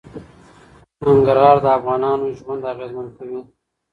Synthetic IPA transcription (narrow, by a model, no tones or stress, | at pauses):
nəŋɡəɾhɑːɾd̪əafɣɑːnɑnoʒwand̪aɣezmənkawi